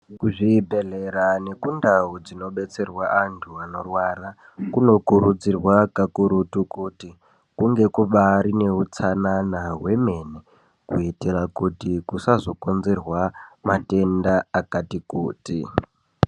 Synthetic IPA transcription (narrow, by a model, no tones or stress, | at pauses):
kuʐibʱe̞ɮe̞ɾane̞kundaud͡zino̞ɓe̞t͡se̞rwaʔantʰuano̞rwara | kuno̞kuɾud͡zirwakakuɾutukuti | kuŋɡe̞kuɓaɾine̞ut͡sananaɦwe̞me̞ne | kuitirakutikusazo̞konzerwamate̞ndaakatikuːtḭ